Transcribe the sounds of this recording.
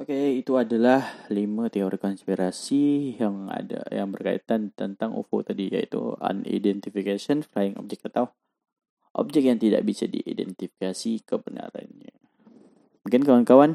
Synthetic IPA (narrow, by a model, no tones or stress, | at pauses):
okeit̪uadalahlimat̪eoɾikɔnspiɾasijaŋa̰da̰jaŋbərkaḭt̪ant̪ənt̪aŋṵfṵt̪adija̰ḭt̪ṵa̰nḭdɛnt̪ifikasɔnfɾajiŋɔ̰p̚d͡ʒɛk̚at̪awh | ʔɔ̰p̚d͡ʒɛk̚jaŋt̪ida̰ʔbisadḭʔḭdɛ̰nt̪ifi̥kasikəbəna̰ɾa̰nɲa | kankawankawan